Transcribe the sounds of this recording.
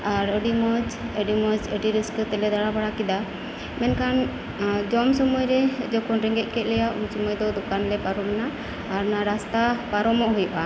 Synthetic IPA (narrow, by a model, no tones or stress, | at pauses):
aɾəɖimɔd͡ʒəɖimɔd͡ʒəɖiɾiskut̪ɛlɛd̪aɽabaɽakid̪a | mɛnkan | d͡ʒɔmsɔmɔjɾɛd͡ʒɔkɔnɾɛŋɡɛʔ̪̚kɛt̪̚ˀlɛjaʔṵmsɔmɔjd̪ɔd̪ɔkanlɛpaɾɔmnaː | ɾnaɾast̪apaɾɔmɔʔɦujɔʔa